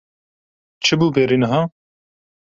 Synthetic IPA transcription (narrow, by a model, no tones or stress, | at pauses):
t͡ʃʰɨbuːbeːɾinɨɦɑː